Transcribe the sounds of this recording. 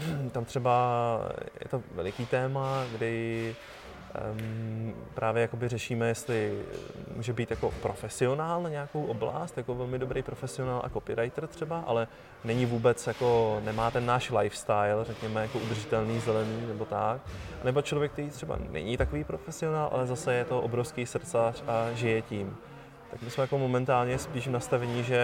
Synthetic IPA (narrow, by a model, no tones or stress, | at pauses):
t̪amt̪r̝̥ɛba | jɛ̰t̪o̞vɛ̰lɪkiːt̪ɛːmaɡdɪ | pɾʔaːvjɛjako̞bɪrɛʃiːmɛjɛst̪lɪmṵːʒɛbiːt̪jako̞pɾʔo̞fɛsɪo̞naːlnaɲɛako̞wʔo̞bla̰st̪jako̞vɛlmɪdo̞bɾejpɾo̞fɛsɪo̞naːlʔa̰ko̞pɪɾajt̪rt̪r̝̥ɛbaʔa̰lɛ | nɛɲɪvuːbɛt͡sjako̞nɛmaːt̪ɛnːaːʃlajfst̪ajlrɛkɲɛmɛjakoʔud̪r̩ʒɪt̪ɛlniːzɛlɛniːnɛbo̞t̪aknɛbo̞t͡ʃlovjɛk̚t̪ɛɾiːt̪r̥ɛba̰nɛ̰ɲɪt̪ako̞viːpɾofɛsɪo̞naːlʔa̰lɛzasɛjɛt̪o̞ʔobɾofskisr̩t̪saraʒɪjɛcim | t̪akmɪsmɛjako̞mo̞mɛnt̪aːlɲɛspiːʃnast̪avɛɲɪʒɛ